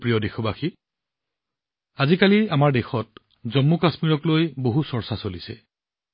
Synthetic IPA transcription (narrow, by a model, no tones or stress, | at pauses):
pɹijɔdexɔbaxi | azikaliamaɹdexɔt̚ | zɔmːukasmiɹɔklojboɦusɔɹsasolisɛ̰